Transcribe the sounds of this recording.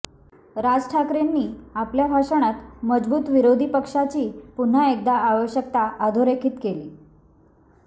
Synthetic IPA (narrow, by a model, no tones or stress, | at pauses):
ɾad͡zʈʰakɾenːiːapljabʱaɕəɽ̃at̪məd͡zbuːt̪ʋiɾod̪ʱiːpəkʂat͡ɕiːpun̤əek̚d̪aːʋəɕjək̚t̪aʔːd̪ʱoɾekʰiːt̪keliː